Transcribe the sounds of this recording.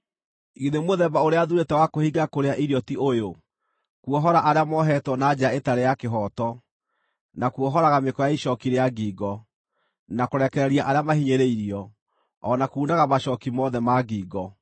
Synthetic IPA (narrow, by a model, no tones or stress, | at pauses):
iðemoðɛbaoɾeaðuɾetɛwakohiɡakoɾeaʔiɾiɔtiʔojo | kuɔɦɔɾaʔaɾeamɔɦɛtwɔnad͡ʑaetaɾejakeɦɔtɔ | nakuɔɦɔɾaɣamekɔjaiʃɔkiɾeaɡiːɡɔ | nakoɾɛkɛɾɛɾiaʔaɾeamahiɲeɾeiɾiɔ | ɔnakuːndaɣamaɕɔkimɔðɛmaɡiːɡɔ